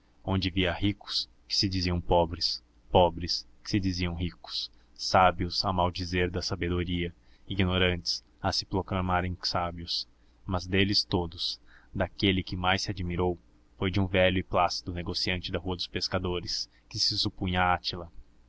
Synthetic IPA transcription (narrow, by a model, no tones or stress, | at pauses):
õnd͡ʒɪviɐhikʊ̥s | kɪ̥sɪd͡ʒiziɐ̃w̃pɔbɾɪs | pɔbɾɪskɪ̥sɪd͡ʒiziɐ̃w̃ɦikʊ̥s | sabiʊzamawd͡ʒizeɾd̪ɐsabed̪oɾiɐ | iɡinoɾɐ̃nt͡ʃɪ̥s | ɐsɪ̥pɾoklamaɾẽj̃sabiʊs | mɐzd̪elɪst̪od̪ʊsd̪akelɪkɪmajsɪad͡ʒimiɾow | fojd͡ʒɪũvɛʎʊɪplasi̥d̪ʊneɡosiɐ̃nt͡ʃɪd̪ɐɦuɐd̪ʊspeskad̪oɾɪs | kɪsɪsupũjaat͡ʃilɐ